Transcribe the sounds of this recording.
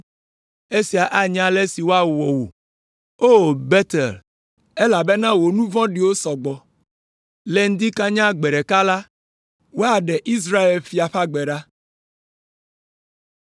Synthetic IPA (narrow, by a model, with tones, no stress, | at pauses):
e˦si˨a˨ʔa˦ɲã˦le˦si˨wo˦a˦wɔ˨wo̰˨ | o˦bɛ˦t̪e˨l | e˦la˨be˦nã˦wo˨nũ˦vɔ̃˦ɖi˨wo˦sɔ˨ɡ͡bɔ˨ | le˦ŋ̩˦d̪i˦ka˦ɲã˦ɡ͡be˨ɖɛ˨ka˦la˦ | wo˦a˨ɖɛ˨ʔi˦s̬ɾa˦e˨lfi˨a˨ɸa˦ɡ͡be˨ɖa˦